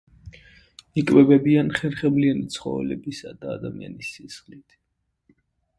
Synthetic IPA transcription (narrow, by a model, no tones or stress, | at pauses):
ikʼvɛbɛbianχɛɾχɛblianit̪sʰχɔ̰vɛ̰lɛbisad̪aːd̪amia̰nisːisχlit̪ʰ